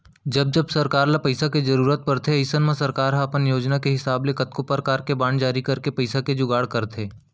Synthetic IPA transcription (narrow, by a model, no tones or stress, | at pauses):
d͡ʒɐb̚d͡ʒɐbsɐɾkaːɾlapɐɪsaked͡ʒɐɾuːɾət̪̚pɐɾt̪ʰeɐɪsənmẽsɐɾkaːɾɦãɐpənjoːd͡ʒnakeɦɪsaːblekɐt̪kopəɾkaːɾkebaːɳd͡ʒaːɾikɐɾkepɐɪsaked͡ʒʊɡaːɽkɐɾt̪ʰeː